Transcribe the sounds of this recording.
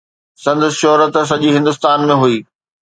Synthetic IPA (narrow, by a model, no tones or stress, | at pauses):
sɐ̃nd̪əsʃɔɦɾət̪s̬ɐʄiɦɪ̃nd̪ʊst̪aːnmẽɦuiː